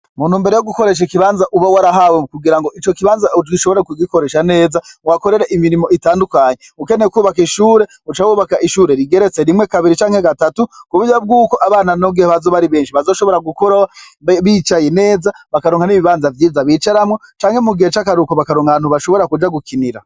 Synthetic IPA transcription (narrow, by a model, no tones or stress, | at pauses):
mun̤̥huːmbe̞ɾe̞joɡukoɾe̞ʃ̬akiβaːnzaʔuβawaɾaɦawekuɡiɾaŋɡoʔit͡ʃo̞kiβaːnzaɡiʃoβo̞ɾekuɡiko̞ɾeʃane̞ːzawako̞ɾeɾeʔimiɾimo̞itaːndukaːɲeuke̞nekuːβakiʃuːɾe̞ | ut͡ʃawuβakaʔiʃuːɾe̞ɾiɡe̞ɾet͡se̞ɾimŋekaβiɾit͡ʃaːŋhe̞ɡatatukuβujab̚ɡuːko̞ʔaβaːnanoɡihaβazoβaɾiβe̞ːnʃiβazo̞ːʃoβo̞ɾaɡukoɾaβit͡ʃajene̞ːzaβakaɾoːŋhaniβiβaːnzavjiːzaβit͡ʃaɾamŋo̞t͡ʃaːŋhemuɡihet͡ʃakaɾukoβakaɾoːŋaan̥huβaʃo̞βo̞ɾakud͡ʒaɡukiniɾa